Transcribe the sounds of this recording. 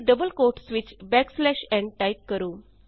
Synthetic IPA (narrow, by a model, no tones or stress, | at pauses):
ɖəbəlkoʈsʋit͡ɕbɛkslɛʃɛ̃ɳʈajkkəɾoː